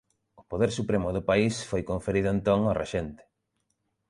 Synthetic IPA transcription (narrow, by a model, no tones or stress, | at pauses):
ʊpoðeɾsupɾemʊðʊpaisfojkoɱfeɾiðʊẽnt̪oŋorḛʃɛnt̪e̥